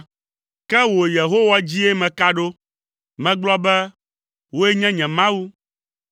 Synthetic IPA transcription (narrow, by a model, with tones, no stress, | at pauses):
kɛ˦wo˨je˨ɦo˦wa˨d͡ʑi˦e˦mɛ̃˨ka˦ɖo˦ | mɛ̃˨ɡ͡blɔ˦bɛ˦ | wo˦e˦ɲɛ̃˦ɲɛ̃˨mã˦wu˦